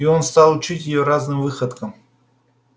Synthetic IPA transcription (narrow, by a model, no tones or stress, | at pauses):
ionst̪alˠut͡ʃʰitʲjɪjoɾaznɨmvɨxəd̪kəm